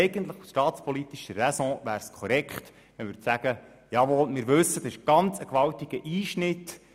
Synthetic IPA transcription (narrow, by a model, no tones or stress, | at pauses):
ɛɪɡ̥ənt̪ləχusʃtɑːtt͡spʰɔlit̪iʃərɛsɔ̃ʋæːɾskʰɔɾɛkχt̪ | ʋɛnʋɪt͡sæɡə | jɑʋɔlmɪɾʋɵsːət̪ɑɪʃɡ̥ɑnt͡səkʋɑltiɡ̥əʔiːʃnɪt̪